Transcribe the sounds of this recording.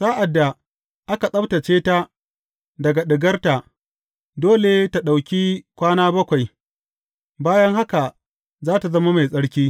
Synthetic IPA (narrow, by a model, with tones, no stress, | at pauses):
saː˦ʔa˨dːa˨ | ʔa˦ka˨sʼɐ˦bta˨t͡ʃeː˦ta˦ | dɐ˨ɡa˨ɗɪ˨ɡɐ˦rta˨ | doː˦le˨ta˨ɗa˨wkʲi˦kʷaː˦naː˦bɐ˦kʷa˨j | baː˦jɐ˦ŋɦa˦ka˨ | zaː˦ta˨zɐ˦ma˦ma˨jsʼɐ˦ɽkʲiː˦